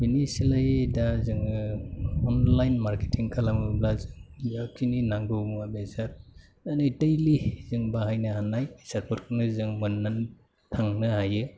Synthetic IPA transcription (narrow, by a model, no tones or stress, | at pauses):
binisilajdazɯŋ | ɔnlajnmaɾke̥tʰiŋkʰalamɯblazɯŋjakʰininaŋɡɯwmabezaɾ | anɯtejlizɯŋbaɦajnɯhanajsaɾpʰɔɾkʰɯnɯzɯŋmɯnːan | tʰaŋnɯhajɯ